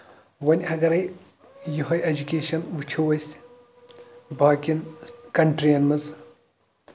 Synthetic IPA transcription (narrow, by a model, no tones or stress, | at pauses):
ʋɐnʲɐɡɐɾɐj | juɦɐjɐd͡ʒukʲeːʃɐnʋɨt͡ʃʰowɐsʲ | bʱaːkʲinkɐɳʈɾijɐnmɐz